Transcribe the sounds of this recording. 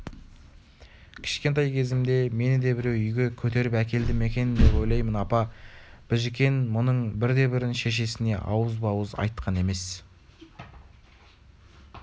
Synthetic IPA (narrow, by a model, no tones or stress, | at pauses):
kʲʰɪ̥ʃkʲe̞nt̪ɑjkʲʰe̞zɪmd̪e̞me̞nɪd̪e̞bɪɾewʏjɡʲe̞kʲʰɵt̪e̞ɾɪpækʲe̞ld̪ɪme̞kʲe̞nɪnd̪e̞po̞jlˠɑjmənɑpɑb̥ɪʒɪkʲe̞nmʊnəɴbɪɾd̪e̞bɪɾɪnʃe̞ʃ̬e̞sɪne̞ʔɑ̰wəzbɑwəzɑ̰jt̪qʰɑne̞me̞s